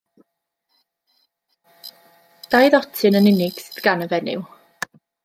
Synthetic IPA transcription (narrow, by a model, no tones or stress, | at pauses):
d̥ajðɔtʰɨnənɪnɪɡ̥sɪðɡ̥anəvɛnɪ̰w